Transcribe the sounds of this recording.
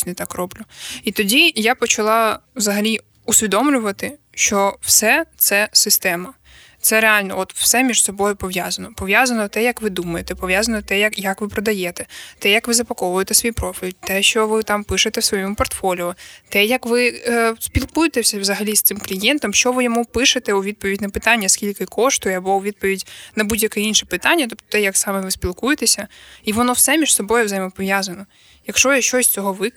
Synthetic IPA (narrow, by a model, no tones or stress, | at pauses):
nɛt̪ɑkrɔblʲʊit̪ɔdʲijapɔt͡ʃɐlˠɑwzɐɦɐlʲi | ʊsʲʋʲid̪ɔmlʲʊʋɐt̪ɪ | ʃt͡ʃɔwsɛt̪sɛsɪst̪ɛmɐ | t̪sɛɾealʲnɔ̰ɔt̪w̥sɛmʲiʒsɔbɔjʊpɔʋjazɐnɔpɔʋjazɐnɔt̪ɛjɐkʋɪd̪umɐjet̪ɛpɔʋjazɐnɔt̪ɛjɐkjɐkʋɪpɾɔd̪ɐjɛt̪ɛt̪ɛjɐkʋɪzɐpɐkɔʋʊjet̪ɛsʋʲijpɾɔfʲilʲt̪ɛʃt͡ʃɔʋɪt̪ɑmpɪʃet̪ɛwsʋɔjɔmʊpɔrt̪fɔlʲiʊt̪ɛjɐkʋɪspʲilˠkujet̪ɛsʲɐʋzɐɦɐlʲist̪ɪmklʲijɛnt̪ɔmʃt͡ʃɔʋɪjɔmupɪʃet̪ɛʊʋʲid̪̚pɔʋʲidʲnɐpɪt̪ɑnʲːɐskʲilʲkɪkʰɔʃt̪ʊjɐbɔʊʋʲid̪̚pɔʋʲidʲnɐbudʲjɐkɛinʃɛpɪt̪ɑnʲːɐt̪ɔpt̪ɔ̥t̪ɛjɐksɑmɛʋɪspʲilˠkujet̪esʲɐiʋɔnɔwsɛmʲiʒ̥sɔbɔjʊzɐjmɔpɔʋjazɐnɔ | jɐkʃɔjʃt͡ʃɔsʲt͡sʲɔɦɔʋɪ